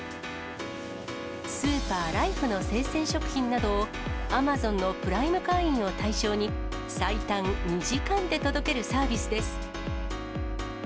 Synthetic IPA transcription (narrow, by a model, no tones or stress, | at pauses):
sɨːpaːɾaiɸɯ̟no̞se̞ːsẽ̞ɰ̃ɕo̞kɯ̟̥çĩnnad̪o̞ː | amazõ̞nːo̞pɯ̟ɾaimɯ̟kaĩɰ̃o̞t̪aiɕo̞ːɲ̟i | sait̪ãnːiʑikãnd̪e̞t̪o̞d̪o̞ke̞ɾɯ̟saːbʲisɨd̪e̞sɨ̥